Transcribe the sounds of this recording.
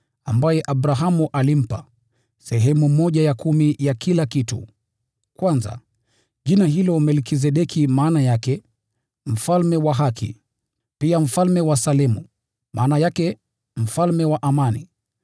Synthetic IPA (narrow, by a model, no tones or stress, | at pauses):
ambajɛʔaɓɾaɦamuʔalim̩pa̰ | sɛɦɛmumɔʄajakʰumijakʰilakitṵ | kwanza̰ | ʄinaɦilɔmɛlkis̬ɛɗɛkʰimaːnajakɛ | m̩falmɛwaɦakʰḭ | piam̩falmɛwasalɛmu | mʔa̰ːnajakɛ | m̩falmɛwaʔamanḭ